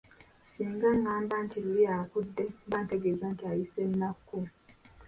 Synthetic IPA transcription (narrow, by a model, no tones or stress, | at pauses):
siːŋɡaŋːaːmbantililiakudːe̞baːnte̞ɡeːzantiajisennakːu